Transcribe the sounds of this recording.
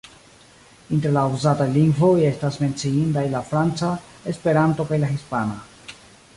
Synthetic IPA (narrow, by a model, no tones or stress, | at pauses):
inteɾlauzataliŋɡvoje̞stasme̞nt͡siintajlafɾant͡sa | espe̞ɾanto̞kajlaxispana